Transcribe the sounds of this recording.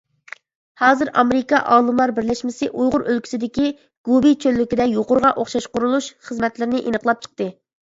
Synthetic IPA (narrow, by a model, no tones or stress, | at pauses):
hɑːzɨɾɑmeɾɪkɑʔɑːlˠɨmlˠɑɾbɪɾlɛʃmɪsɪʔujʁʊɾʔølkʲʰi̥sɪd̪ɪkʲi | ɡ̥ubit͡ʃʰølːykʲid̪ɛjoqʊɾʁɑʔoχʃɑʃqʊɾulˠuʃχəzmɛt̪lɪɾɪnɪʔenəqlˠɑp̚t͡ʃʰə̥q̚t̪ɨ